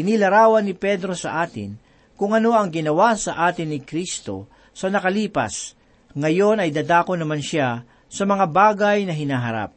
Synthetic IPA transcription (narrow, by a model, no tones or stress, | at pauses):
ɪnilɐɾaːwɐnːɪpɛd̪ɾo̞sɐʔaːt̪ɪ̰n | kʊŋɐno̞ɐŋɡɪnɐwasɐʔaːt̪ɪnːɪkɾist̪o̞̰ | sɐnɐkɐliːpa̰s | ŋɐjo̞nɐjd̪aːd̪aːkonɐmanʃa | sɐmɐŋabaːɡajnɐɦɪnaːɦɐɾa̰p̚